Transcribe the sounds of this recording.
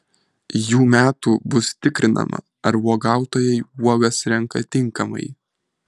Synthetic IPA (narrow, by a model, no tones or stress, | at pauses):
juːmʲæːt̪uːbʊst̪ʲɪkɾʲɪnʔɐ̰mɐ̰ | ɐɾʋuɔɡɑˑʊt̪oːjɛɪuɔɡɐsɾʲɛŋkɐt̪ʲɪŋˑkɐmɐ̰ɪ